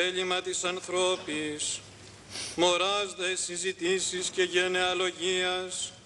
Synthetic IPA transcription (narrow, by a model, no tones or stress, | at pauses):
eʎimɐt̪isɐnθɾo̞pis | mo̞ɾɐzðesizit̪isisce̞ʝe̞ne̞ɐlo̞ʝiɐs